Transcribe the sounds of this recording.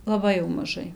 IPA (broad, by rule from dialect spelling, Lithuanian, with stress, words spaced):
lˠɐˈbɐɪ jɛʊ mɐˈʒɐɪ